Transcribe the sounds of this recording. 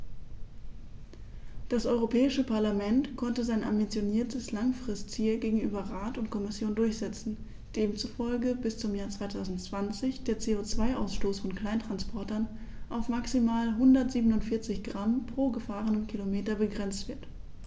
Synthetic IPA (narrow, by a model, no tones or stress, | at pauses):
d̥asʔɔʏʁopʰɛːɪʃəpʰaɐlamɛntkʰɔntəzaɪnʔa̰mbit͡sjoniːɐtʰəslaŋfʁ̥ɪstt͡siːlɡeːɡŋ̩ʔyːbɐʁaːtʊntkʰɔmɪsjoːndʊɐçz̥ɛt͡sn̩ | d̥eːmt͡sufɔlɡəbɪst͡sʊmjaːɐt͡sv̥aɪtʰaʊzn̩tt͡sv̥ant͡sɪçd̥eːɐt͡seːot͡sv̥aɪʔa̰ʊsʃtoːsfɔnkl̥aɪntʁ̥anspʰɔɐtɐn | ʔaʊfmaksimaːlɦʊndɐtz̥iːbənʊntfɪɐt͡sɪçɡ̥ʁampʁ̥oːɡəfaːʁənəmkʰilomeːtɐbəɡʁɛnt͡stv̥ɪɐt